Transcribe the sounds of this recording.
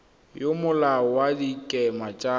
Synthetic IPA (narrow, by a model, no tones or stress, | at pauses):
jomʊlawadikʼɛmat͡ʃʼa